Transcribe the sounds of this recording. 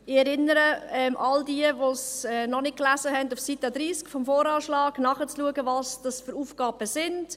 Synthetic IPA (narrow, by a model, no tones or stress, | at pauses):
ɪɛɾɪnəɾəɛmʔɑldiəʋosɛnɔnɪk̚klæzəɦɛndufsitɛd̪ɾiːskfɔmfoːɾɑːʃlɑːɡ̥nɑχət͡sluəɡəvɑsd̥ɑsfʏɾuːfɡ̥ɑːb̥əsɪnd̥